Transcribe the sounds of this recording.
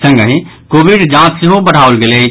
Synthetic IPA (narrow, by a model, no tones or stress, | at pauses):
sə̃ŋɡəɦĩ | kobiɖd͡ʒãt̪seɦobəɽ̤aolɡele